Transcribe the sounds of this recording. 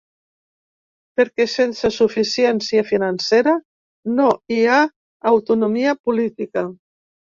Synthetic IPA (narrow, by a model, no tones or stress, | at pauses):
pəɾkɛsensəsufisiɛnsiəfinanseɾə | noiaː | wt̪unumiəpulit̪ikə